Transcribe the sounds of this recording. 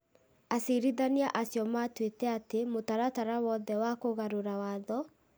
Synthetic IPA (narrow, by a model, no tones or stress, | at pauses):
aseɾiðaniaʔasjɔmatwetɛatemotaɾataɾawɔðɛwakoɣaɾoɾawaðɔ